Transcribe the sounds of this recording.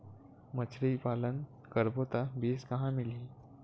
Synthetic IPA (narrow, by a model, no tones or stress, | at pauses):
mət͡ʃʰɾipalən | kəɾbot̪abeːskəɦãmili